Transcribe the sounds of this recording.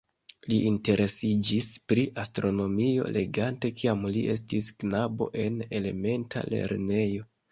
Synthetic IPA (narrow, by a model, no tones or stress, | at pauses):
liʔinte̞ɾʔe̞sid͡ʒispɾiʔastɾo̞no̞mio̞̰le̞ɡante̞kʰiamliʔe̞̰s̬tisknabo̞̰ʔe̞ne̞le̞me̞ntʰa̰le̞̰ɾne̞jo̞